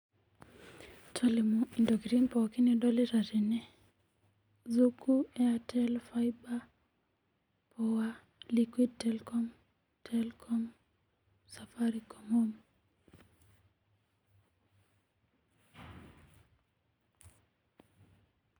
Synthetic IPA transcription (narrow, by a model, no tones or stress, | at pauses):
tʰɔlimuindɔɡɾinpɔkiniɗɔliɾaɾini | zukuɛatʰɛlfajba | pɔwa | likwid̚tɛlkɔm | tʰɛlkʰɔm | safaɾikʰɔmom